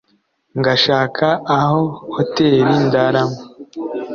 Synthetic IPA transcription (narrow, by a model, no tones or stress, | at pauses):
ŋɡaʃaːkʰaːhohoteːɾindaɾaŋo